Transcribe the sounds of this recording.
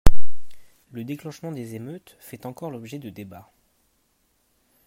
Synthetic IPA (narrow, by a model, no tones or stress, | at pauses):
ləd̪eklɑ̃ʃmɑ̃d̪ezemøt̪ | fɛt̪ɑ̃kɔʁlɔbʒɛd̪əd̪eba